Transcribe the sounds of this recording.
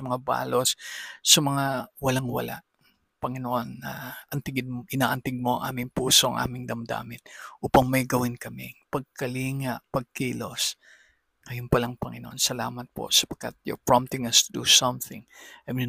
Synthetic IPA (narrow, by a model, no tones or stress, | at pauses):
ɐmɐŋaba̰ːlo̞ssɐmɐŋawɐlaŋwɐ̰la̰ʔ | pɐŋɪnoʔonːɐʔɐnt̪ɪɡɪd̪̚mʔɪnaːʔɐnt̪ɪɡ̚mo̞ʔɐ̰ŋʔa̰ːmɪŋpuːsoʔɐ̰ŋʔa̰ːmɪŋd̪ɐmd̪a̰ːmɪt̪̚ʔuːpɐŋmɐjɡɐwɪnkɐmɪpɐɡ̚kɐliːŋaʔpɐɡ̚kiːlo̞s | ŋɐjʊnpɐlɐŋpɐŋɪ̰noʔo̰nsɐlaːmɐt̪̚po̰sɐ̥pɐɡ̥̚kːa̰t̪̚jo̰pɹɔmt̪ɪŋɐst̪ʊd̪usɐmθɪ̰̃ŋʔɐm